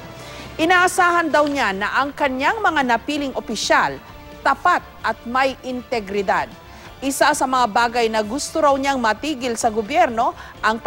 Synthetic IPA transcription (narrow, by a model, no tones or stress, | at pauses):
ʔɪnaːʔasaːhɐnd̪awɲanɐʔɐŋkɐɲaŋmɐŋanɐpiːlɪŋʔopɪʃal | t̪ɐpat̪̚ʔɐt̪̚mɐjɪnt̪ɛɡɾɪd̪ad̪̚ | ʔɪsasɐmɐŋabaːɡɐjnɐɡʊst̪oɾawɲaŋmɐt̪iːɡɪlsɐɡobjɛɾno̞ʔɐŋp